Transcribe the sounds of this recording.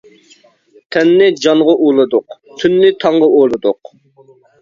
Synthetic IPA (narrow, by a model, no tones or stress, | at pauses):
t̪ʰɛnːɪd͡ʒɑŋʁɑʔulˠɨd̪ʊqt̪ʰynːɪt̪ʰɑɴʁɑʔolˠɨd̪ʊq